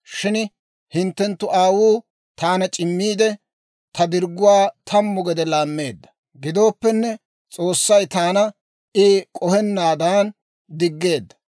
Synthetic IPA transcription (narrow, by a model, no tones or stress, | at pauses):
ʃɪn | hɪnt̪ːɛnt̪ːʊʔaːwuː | t̪aːnɐt͡ʃʼɪmːiːd̪ɛ | t̪ʰɐd̪ɪɾɡːʊwaːt̪ʰɐmːʊɡɛd̪ɛlaːmːe̞ːd̪ːɐ̥ | ɡɪd̪o̞ːpːɛnːɛ | t͡sʼo̞ːsːɐjt̪aːnɐ | ʔɪkʼɔhɛnːaːd̪aːn | d̪ɪɡːe̞ːd̪ːɐ̥